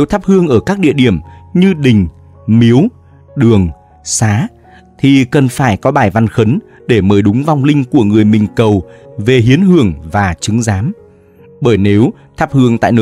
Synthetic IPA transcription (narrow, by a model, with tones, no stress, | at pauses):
e˨˦wt̪ʰaː˦˥p̚hɨ˧əŋʔəː˧˩kaː˦˥k̚ɗḭ˧˨əɗi˧˩əmɲɨ˧ɗï˨˩ŋ̟ | mi˨˦əw | ɗɨ˨˩əŋ | saː˨˦ | t̪ʰi˨˩kə˨˩nfaː˧˩jkɔ˨˦ɓaː˧˩jva˧nxə˨˦n | ɗe˧˩məː˨˦jɗʊ˨˦ŋ͡mva˧wŋ͡mlï˧ŋ̟ku˧˩əŋɨ˨˩əjmï˨˩ŋ̟kə˨˩wve˨˩ɦi˨˦ənhɨ˧˩əŋvaː˨˩t͡ɕɨ˨˦ŋzaː˨˦m | ɓəː˧˩jne˨˦w | t̪ʰaː˦˥p̚hɨ˧əŋt̪a̰ː˧˨jno˧